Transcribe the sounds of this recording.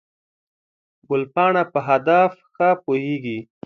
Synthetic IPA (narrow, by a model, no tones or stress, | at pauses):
ɡʊlpɑɳapəɦad̪afxapoheɡi